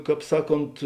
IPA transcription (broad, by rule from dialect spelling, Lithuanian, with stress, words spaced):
ˈkɑːp ˈsɑːˌkoːnt